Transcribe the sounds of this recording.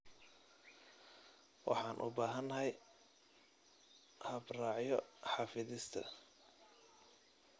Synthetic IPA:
wʔɑ̰ħɑːnʔʊ̰baːɦɐnɦɐj | hɐbrɑːʕjɔħɑːfɪðɪst̪ʰɐ̰

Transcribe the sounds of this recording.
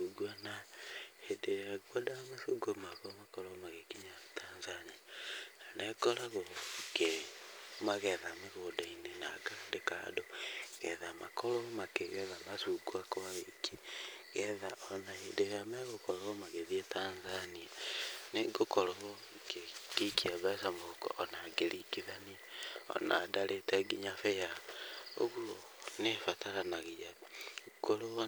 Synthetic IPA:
uɡuanahedeɾaɣwadamasuɡomaɣamakɔɾɔmaɣekiɲatʰanzaniananɛkɔɾaɣoɡe | maɣɛðameɣoːdainena̰ɡadeka̰doɣɛðamakɔɾɔmakeɣɛðamasuɡuakɔwaekiɣɛðaɔnaedeɣamɛɣokɔɾoɣɔmaɣeðietaːnzanianeɡokɔɾɔɣɔ | kekekiaβasamokɔ̰ʔɔnaɡeɾikiðaniɔ̰na̰daɾʔetɛɡiɲafɛjao̰ɣuo | nefataɾanaɣejakolo

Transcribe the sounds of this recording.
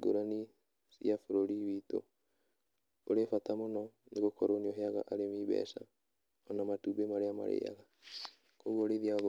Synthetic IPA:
ɡo̰ɾani | siafoɾoɾiwiːto̰ | oɾefatamonɔneɣokɔɾonioɦeaɣa̰ʔaɾemiβɛ̰sa | ɔnamatuːbemaɾeama̰ɾḛːa̰ɣa | koɣwoɾeiðiað

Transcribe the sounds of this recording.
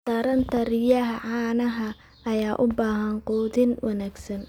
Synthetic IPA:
t̪ʰɐɾɐnt̪ʰɐɾɪjɐɦɐʕɑːnɐɦɐ | ʔɐjaːʔʊbaːɦɐnqɔːðɪnwɑnaːɡsɐn

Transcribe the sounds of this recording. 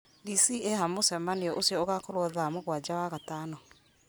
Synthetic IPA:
disiehamosɛmaniɔʔosjɔoɣakoɾwɔðamoɣwad͡ʒawaɣatanɔ

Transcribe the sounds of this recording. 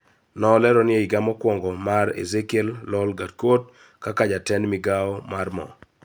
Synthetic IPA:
nɔlɛɾɔnɪeiɡamɔkwɔŋɡɔmaɾḛzekellɔlɡatkot | kakad͡ʒatɛnmɪɡaɔmarmɔ̰

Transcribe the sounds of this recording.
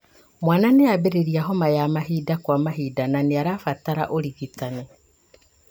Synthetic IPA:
mwaːnaneaβeɾeɾiaɦɔmajamaɦiːdakwamaɦidananeaɾafataɾa̰ʔoɾiɣitane

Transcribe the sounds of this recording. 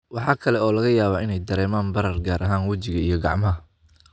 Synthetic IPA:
wɑħɑːkʰɐlɛɔːlɐɣɐjaːβaːɪnɛjd̪ɐɾɛːmaːnbɐɾɐrɡaːɾʔɐɦaːnwɐt͡ʃɪɣɐijɞɡɑ̰ʕmɐɦɐ

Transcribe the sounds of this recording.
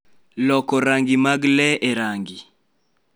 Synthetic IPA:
lɔkɔɾaŋɡimaɡlɛeɾaŋɡi

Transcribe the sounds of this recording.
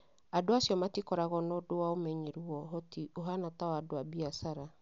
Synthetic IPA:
adoasiɔmatikɔɾaɣɔnɔdowaomɛɲeɾuɔɦotioɦanatawadoabiasaɾa

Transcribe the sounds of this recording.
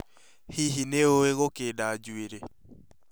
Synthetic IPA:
hiɦineoeɣokedad͡ʒweɾe

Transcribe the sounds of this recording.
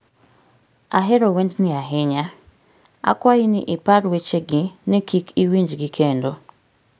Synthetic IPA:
aɦeɾowendnɪaɦɪɲa | a̰kwahinɪ̰ʔɪpaɾwet͡ʃeɡɪnɪkʰikiwiɲd͡ʒɡɪkʰendo

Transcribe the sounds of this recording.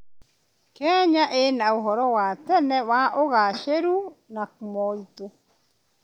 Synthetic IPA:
kɛɲaʔenaoɦɔɾɔwatɛnɛwaʔoɣaʃeɾunakumɔito

